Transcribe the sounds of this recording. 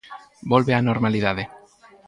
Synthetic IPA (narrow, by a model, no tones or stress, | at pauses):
bolβeanoɾmaliðaðe